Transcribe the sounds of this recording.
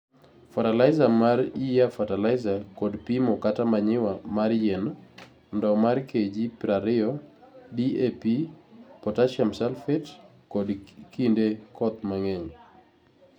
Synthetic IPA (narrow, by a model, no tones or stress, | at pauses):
fatalajzamaɾijafatalajzakɔdpimɔkatamaɲɪwamaɾjɛn | ndɔmaɾked͡ʒipɾaɾɪɔ | diepipɔtaʃamsɛlfɛt | kɔdkindekɔt̪̚maŋɛɲ